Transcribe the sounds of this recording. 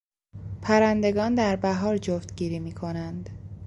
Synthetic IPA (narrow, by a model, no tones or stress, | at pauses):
pʰæɾænd̪e̞ɡɒːnd̪æɾbæɦɒːɾd͡ʒoft̪ɡiːɾiːmiːkʰo̞nænd̪̥